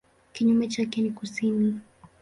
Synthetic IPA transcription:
kiɲumɛt͡ʃakɛnikusini

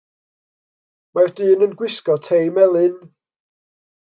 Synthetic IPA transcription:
mard̥ɨːnənɡwɪskɔtʰejmɛlˠɨn

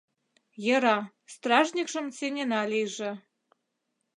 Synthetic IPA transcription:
jɤ̆ɾɑ | st̪rɑʒnʲikʃə̆msenʲenɑliʒĕ

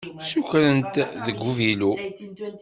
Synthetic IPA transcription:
suçɾənt̪ðəɡːuvilu

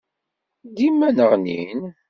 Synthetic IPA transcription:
ɡ̪imːænəʁnḭn

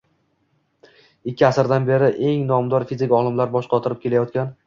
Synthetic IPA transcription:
ɪkʲʰːɪasɾd̪anbe̞ɾɪʔe̞ŋnɒmd̪ɒɾfizɪkʲɒlˠɪmlaɾbɒʃqʰɒt̪ʰɪɾɪp̚kʲʰe̞lajɒt̪̚kʲan

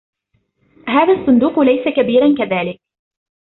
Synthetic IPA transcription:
ɦaːðasˤːʊnd̪uːqlajsakabiːɾankaðaːlɪk̚

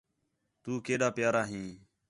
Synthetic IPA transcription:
t̪uːkeːɗaːpjaːɾaːɦĩː

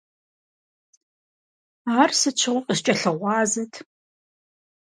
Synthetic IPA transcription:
arsɨt͡ʃʷʰɨʁʷʊqʼɪst͡ʃʼɐɬɐʁʷɑːzɐtʰ

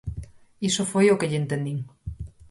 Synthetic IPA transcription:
iʃofojokeʎent̪əniŋ

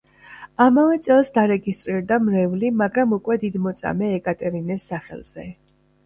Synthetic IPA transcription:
amavɛt̪sʼɛlˠsd̪aɾɛɡist̪ʼɾiɾd̪amɾɛvlimaɡɾamukʼwɛd̪id̪mɔt̪sʼa̰mɛːkʼat̪ʼɛɾinɛsːaχɛ̰lˠz̥ɛ

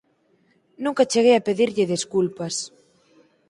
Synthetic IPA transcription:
nũŋkat͡ʃeɣejapeðiɾʎɪðeskulpɐs

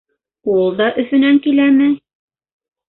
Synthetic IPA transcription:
ulˠd̪ɑʔɵ̆θɵ̆næŋkilæmɘ

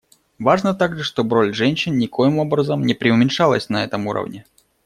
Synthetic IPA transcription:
vaʐnət̪aɡʐɨʂt̪o̞bɾo̞lʲʐɛnʲɕːɪnnʲɪkojɪmo̞bɾəzəmnʲɪpɾʲɪʊmʲɪnʂalˠə̰sʲnɐɛt̪əmuɾə̰vnʲɪ

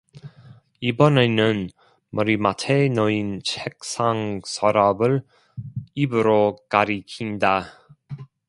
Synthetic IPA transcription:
ibʌnenɯn | mʌɾimatʰenʌint͡ɕʰek̚s͈ʰaŋsʰaɾʌbɯɭ | ibɯɾokaɾikʰinda

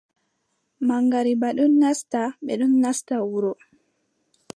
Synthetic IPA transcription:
maŋɡaɾibaɗunːastaɓɛɗunːastawuɾɔ

